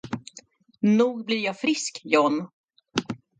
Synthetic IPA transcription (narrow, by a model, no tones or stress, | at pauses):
nuːɡblɪɾjɑːfɾɪskjɔn